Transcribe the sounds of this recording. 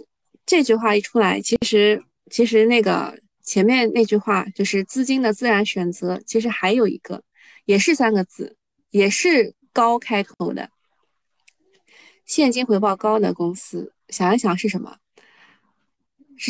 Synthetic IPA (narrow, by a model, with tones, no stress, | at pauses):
ʈ͡ʂɤ˥˧t͡ɕy˥˧xwa˥˩i˥˩ʈ͡ʂʰu˥la˧˥ɪt͡ɕʰi˧˥ʂɻ̩˧˥ | t͡ɕʰi˧˥ʂ̬ɻ̩˧˥ne˥˩ɡə̰˩ | t͡ɕʰjɛ˧˥nmjɛ˥˧nne˥˧ɪt͡ɕy˥˧xwa˥˩t͡ɕjo˥˧ʊʂɻ̩˥˩˧t͡sɹ̩˥˩t͡ɕi˥ŋd̪ə˨t͡sɹ̩˥˩ɻa˧˥nɕɥɛ˨˩nt͡sɤ˧˥t͡ɕʰi˧˥ʂ̬ɻ̩˧˥xa˧˥ɪjo˨˩ʊḭ˧˥ɡ̥ə̰˧ | jɛ˨˩ʂɻ̩˥˩sa˥nɡə˧t͡sɹ̩˥˩ | jɛ˨˩ʂɻ̩˥˩ | kɑ˥ʊkʰa˥ɪt̪ʰo˧˥ʊd̪ə̰˧ | ɕjɛ˥˩nt͡ɕi˥ŋxwe˧˥ɪpɑ˥˩ʊkɑ˥ʊd̪ə̰˨kʊ˥ŋsɹ̩˥ | ɕjɑ˨˩ŋjɑ˥ŋɕjɑ˨˩ŋʂɻ̩˥˩ʂə˧˥nmə̰˧˩˥